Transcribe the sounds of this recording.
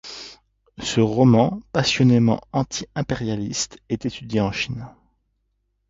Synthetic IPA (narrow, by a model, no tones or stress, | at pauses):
səʁɔmɑ̃pasjɔnemɑ̰̃ɑ̃t̪ʰiɛ̃peʁjalist̪ɛt̪et̪ʰyd̪jeɑ̃ʃin